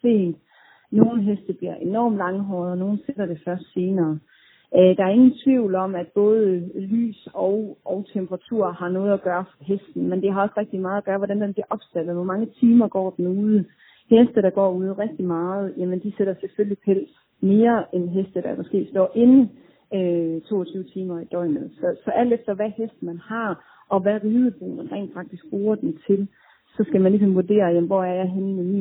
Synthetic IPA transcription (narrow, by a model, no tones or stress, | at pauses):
se̝̰ːd̥ | no̝ːn̩ɦesd̥əb̥liɐʔe̝nɒ̰ːmlɑ̈ŋɦɒðˠno̝ːn̩seɾ̥ɐɾ̥e̝fɶɐsd̥se̝ːnɐː | ʔd̥ɑ̈æɐe̝ŋn̩t͡sʰʋiʊ̰lɒ̽mæd̥̚b̥ɔ̽ːð̞̩ˠəly̰ːsɒʊɒʊt͡sʰembʰəʁɑ̈t͡sʰuɐ̰hɑ̈nɔ̽ːð̞̩ˠæɡ̥ɶːɐfɒɦesd̥n̩mend̥e̝ɦɑ̈ɒ̽sʁɛɡ̥̚d̥imɑ̈ːð̩ˠæɡ̥ɶːɐʋɒd̥ænd̥enb̥liɐʔɒ̽b̥sæd̥ð̩ˠʋɒmɑ̈ŋət͡sʰiːmɐɡ̥ɒ̰ːd̥nuːð̞ˠə | hesd̥əɾ̥ɑ̈ɡ̥ɒ̰ːuð̞ˠʁɛɡ̥̚d̥imɑ̈ːð̞̩ˠjæmənd̥iseɾ̥ɐseføllipʰel̰s | me̝ːɐenɦesd̥əd̥ɑmɒ̽sɡ̥e̝̰ːsd̥ɒ̰ʔe̝n̩ | øt͡sʰo̝̰ːɒt͡sʰyːʊət͡sʰiːmɐid̥ɒɪ̰mð̩ˠsɒ̽sɒ̽ʔæl̰d̥efd̥ɐʋæhesd̥mænhɑ̈ | ʔɒ̽ʋæʁiːðˠəb̥o̝̰ːmenʁɛ̰ːnd̥fɑ̈ɡ̥̚d̥isɡ̥̚b̥ʁoːɐd̥ent͡sʰe̝l | sɒ̽sɡ̥æmænlis̬ɒ̽mʋuɐd̥e̝̰ːɐjem̩ʋɒæɐjɑ̈ɪɦenemḭːn